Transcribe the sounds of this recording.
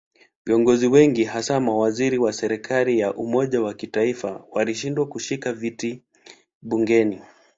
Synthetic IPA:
viɔŋɡɔziwɛŋɡiɦasamawaziɾiwasɛɾɛkʰalijaʔumɔʄawakitaifawaliʃindwakuʃikaviti | ɓuŋɡɛni

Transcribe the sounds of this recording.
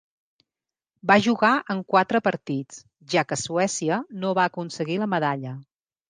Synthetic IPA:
baʒuɣaʔəŋkwat̪ɾəpəɾt̪it͡s | ʒakəsuɛsiənoβaəkunsəɣiləməðaʎə

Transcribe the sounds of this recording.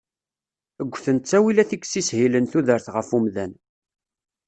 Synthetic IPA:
əɡʷːθənt̪t͡sːæwilæθikːsishilənθuðəɾθʁəfumðæn

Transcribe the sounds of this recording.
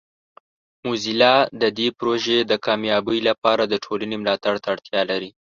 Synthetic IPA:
muzilɑd̪əd̪epɾoʒed̪əkɑmjɑbəjlapɑɾad̪əʈʰolanemlɑt̪aɽt̪aɽt̪jɑlaɾi

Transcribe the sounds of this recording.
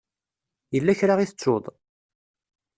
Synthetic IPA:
jəlːæçɾaʁiθə̥t͡sːʊðˤ

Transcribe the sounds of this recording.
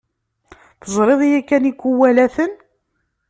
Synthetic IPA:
θəzˤɾˤeðˤjækːænikʷːuwælæθən

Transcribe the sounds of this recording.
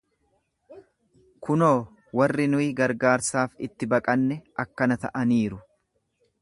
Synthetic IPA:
kʊnoː | wɐrːɪnʊɪɡɐɾɡaːɾsaːfɪt̪ːɪbɐkʼɐnːɛɐkːɐnɐt̪ɐ̰ʔɐniːɾʊ

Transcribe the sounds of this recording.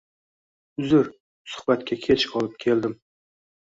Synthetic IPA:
ʊzɪɾ | sʊ̥hbat̪kʲʰakʲʰet͡ʃqʰɒlˠɪp̚kʲʰe̞ld̪ɪm

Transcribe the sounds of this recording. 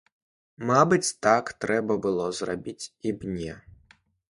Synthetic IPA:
mabɨt͡sʲt̪akt̪ɾɛbɐbɨlˠɔzra̰bʲit͡sʲibnʲɛ

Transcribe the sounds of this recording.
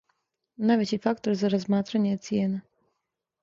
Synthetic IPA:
navʲɛtʲifakt̪ɔɾzaɾɔzmat̪ɾanʲɛt̪sʲjɛnɨ

